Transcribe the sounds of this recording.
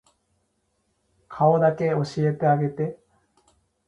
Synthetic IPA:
kʰaod̪ake̞o̞ɕie̞t̪eaɡe̞t̪e̞

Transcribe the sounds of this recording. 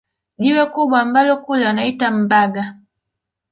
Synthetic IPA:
ʄiwɛkuɓwambalɔkulanaitam̩baɡa

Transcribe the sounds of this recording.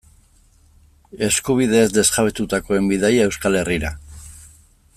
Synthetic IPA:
e̞skuβ̞iðe̞ːzd̪e̞zɣaβet̪ut̪ako̞e̞mbiðajae̞wskale̞riɾa

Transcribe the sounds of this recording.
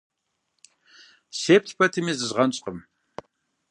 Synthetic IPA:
seːp̚tʰpʰɐtʰɨmiːzɨzʁɐnɕʼqʼəm

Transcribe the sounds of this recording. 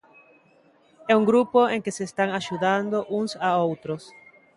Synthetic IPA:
euŋɡɾupoeŋkeseːst̪aŋaʒuðand̪oʔuŋsaowt̪ɾos

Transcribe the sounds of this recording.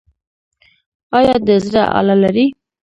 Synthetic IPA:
ɑjɑd̪əzɾa̰ʔɑ̰lalaɾi

